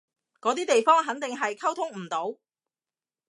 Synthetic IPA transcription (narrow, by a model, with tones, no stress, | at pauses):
kɔː˨˧˥t̪iː˥t̪e˨jfɔː˥ŋɦɐ˨˥nt̪ɪ˨ŋɦɐ˨jkʰɐ˥wt̪ʰʊ˥ŋm̩˨˩t̪o˨˥w